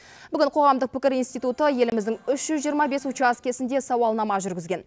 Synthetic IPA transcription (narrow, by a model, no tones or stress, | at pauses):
b̥ʏɡʲɪɴqʰo̞ʁɑmd̪əq̚pʰɪkʲɪɾijnst̪ijt̪ut̪əje̞lɪmɪzd̪ɪŋʏʃʒ̥ʏzʒijəɾmɑbe̞sut͡ʃɑskʲe̞sɪnd̪e̞sɑwɑlˠnɑmɑʒʏɾɡʲɪzɡʲe̞n